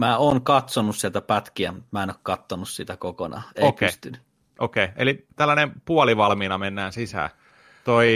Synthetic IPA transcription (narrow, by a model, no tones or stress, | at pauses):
mæːoːŋkɑt̪sonussielt̪æpɑt̪kiæmut̪mæːenokkɑt̪ːonussit̪ækokonɑ̰ːekpːst̪yn | ʔokeːelit̪ælːænempuɑliʋɑlmiːnɑmenːæːnsisæ̰ː | t̪oi